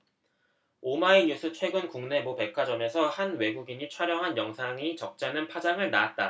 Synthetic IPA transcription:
omaiɲusʰɯt͡ɕʰwe̞ɡɯnkuŋne̞bope̞kʰwad͡ʑʌme̞sʰʌhanwe̞ɡuɡiɲit͡ɕʰwaɾjʌŋɦanjʌŋsʰaŋit͡ɕʌk̚t͡ɕ͈anɯnpʰad͡ʑaŋɯɭnaːt̚t͈a

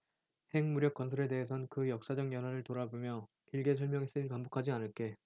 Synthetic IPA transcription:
he̞ŋmuɾjʌk͈ʌnsʰʌɾe̞de̞ɦesʰʌnkɯjʌk̚s͈ad͡ʑʌŋjʌnwaɾɯɭtoɾabomjʌ | kiɭɡe̞sʰʌɭmjʌŋes͈ɯiɭpambokʰad͡ʑianɯɭk͈e̞

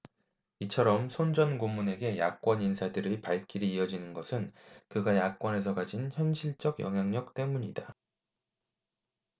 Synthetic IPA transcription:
it͡ɕʰʌɾʌmsʰond͡ʑʌnɡomːune̞ɡe̞jak͈̚wʌninsʰadɯɾipaɭk͈iɾiːʌd͡ʑinɯnɡʌsʰɯnkɯɡajak̚k͈wʌne̞s̬ʰʌkad͡ʑinçjʌnɕʰiɭt͡ɕ͈ʌɡjʌ̰ŋɦjaŋɲʌk̚t͈e̞muɲida

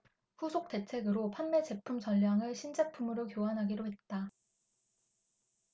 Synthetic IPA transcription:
ɸusʰok̚t͈e̞t͡ɕʰe̞ɡɯɾopʰanme̞t͡ɕe̞pʰumt͡ɕʌʎːaŋɯɭɕʰind͡ʑapʰumɯɾokjoɦanɦaɡiɾoɦe̞t̚t͈a

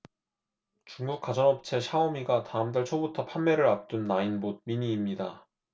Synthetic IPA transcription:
t͡ɕuŋɡuk̚k͈ad͡ʑʌnʌp̚t͡ɕʰe̞ɕʰaomiɡataɯmtaɭt͡ɕʰobutʰʌpʰanme̞ɾɯɾap̚t͈unːainbod̚miɲiːmɲida

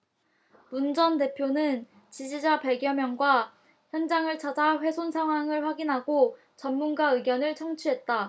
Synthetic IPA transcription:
mund͡ʑʌnte̞pʰjonɯn | t͡ɕid͡ʑid͡ʑapeɡjʌmjʌŋɡwa | çjʌnd͡ʑaŋɯɭt͡ɕʰad͡ʑaɸwe̞sʰonsʰaŋɦwaŋɯɭɸwaɡinɦaɡo | t͡ɕʌnmunɡaɯɡjʌnɯɭt͡ɕʰʌŋt͡ɕʰuɦe̞t̚t͈a

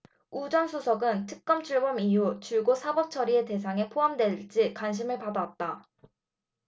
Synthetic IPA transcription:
ud͡ʑʌnsʰusʰʌɡɯntʰɯk̚k͈ʌmt͡ɕʰuɭbʌmijut͡ɕuɭɡosʰabʌp̚t͡ɕʰʌɾie̞te̞s̬ʰaŋe̞pʰoɦamdwe̞ɭd͡ʑ͈ikwanɕ̬ʰimɯɭpadat̚t͈a

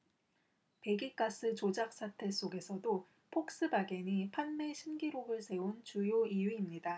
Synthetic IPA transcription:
pe̞ɡik͈as͈ɯt͡ɕod͡ʑak̚s͈atʰe̞s͈oɡe̞sʰʌdo | pʰok̚s͈ɯbaɡeɲipʰanme̞ɕʰinɡiɾoɡɯɭsʰe̞unt͡ɕujoijuimɲida

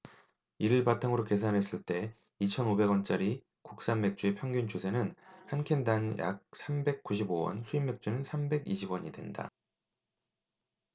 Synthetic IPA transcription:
iɾɯɭpatʰaŋɯɾoke̞s̬ʰanɦe̞s͈ɯɭt͈e̞ | it͡ɕʰʌnobe̞ɡwʌnt͡ɕ͈aɾi | kok̚s͈anme̞k̚t͡ɕ͈ue̞pʰjʌŋɡunt͡ɕusʰe̞nɯnhankʰe̞ndanja̰k̚sʰambe̞k̚k͈uɕ̬ʰibowʌ̰nsʰuimːe̞k̚t͡ɕ͈unɯnsʰambe̞ɡiɕʰibwʌɲḭdwe̞̰nda̰

